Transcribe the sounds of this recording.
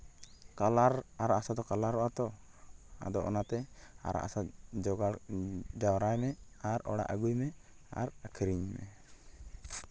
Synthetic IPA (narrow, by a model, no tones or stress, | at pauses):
kalaɾaɾaʔasad̪ɔkalaɾːɔʔat̪ɔ | a̰d̪ɔʔɔ̰nat̪ɛa̰ɾa̰ʔasad͡ʒɔɡad͡ʒawɾajmɛ | aɾɔ̰ɽa̰ʔəɡujmɛ | a̰ɾəkʰiɾiɲmɛ̰